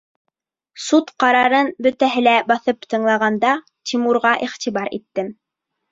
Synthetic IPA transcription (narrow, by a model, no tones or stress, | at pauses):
sut̪qɑɾɑɾɤnbɵ̆t̪æɦɘlæbɑθɤpt̪ɤ̆ɴlˠɑʁɑnd̪ɑ | t̪ʲʰimuɾʁɑʔiʁt̪iβɑɾḭt̪ːɘm